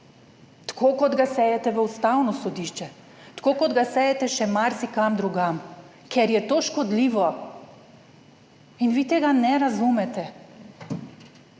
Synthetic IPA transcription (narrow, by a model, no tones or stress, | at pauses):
t̪ḁkʰokɔd̪ɡasɛjɛt̪ɛʋəust̪awnɔsɔd̪iːʃt͡ʃɛ | t̪kokɔd̪ɡasɛjɛt̪ɛʃɛmaɾsikamd̪ɾuɡam | kʰɛɾjɛt̪oʃkɔd̪liːʋɔ | inʋiːt̪eːɡanɛɾazumɛt̪ɛ